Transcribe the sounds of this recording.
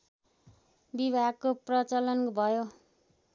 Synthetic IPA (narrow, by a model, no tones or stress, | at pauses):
bibʱaɡ̚koprʌt͡sʌlʌnbʱʌjo